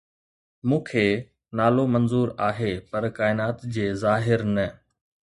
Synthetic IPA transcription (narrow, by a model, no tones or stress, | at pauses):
mũːkʰeː | naːlomɐnzuːɾaːɦeːpɐɾkaːɪnaːt̪d͡ʑeːzaːɦɪɾnɐ